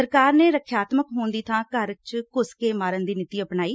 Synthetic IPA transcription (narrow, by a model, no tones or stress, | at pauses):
əɾkaːɾneːɾəkʰjaːt̪məkɦõːnd̪iːt̪ʰãːkəɾt͡ʃkʊskeːmaːɾənd̪iːnɪt̪iːəpnaːiː